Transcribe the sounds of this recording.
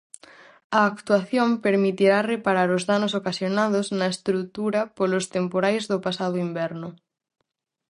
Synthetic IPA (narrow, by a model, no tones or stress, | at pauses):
ɐːkt̪uaθjompeɾmit̪iɾarepaɾaɾozðanos̬okasjonað̞oznɐest̪ɾut̪uɾɐpolost̪empoɾajzðʊpasaðoimbɛɾnʊ